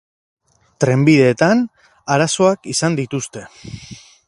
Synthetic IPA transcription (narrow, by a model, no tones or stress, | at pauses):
t̪ɾe̞mbiðe̞ːt̪an | aɾaso̞akisand̪it̪ust̪e̞